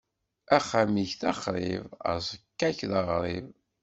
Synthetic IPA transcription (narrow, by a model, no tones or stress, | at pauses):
æχːamiçθɑχɾˤḭvə̰ɾzˤəkːæçðəʁɾˤiv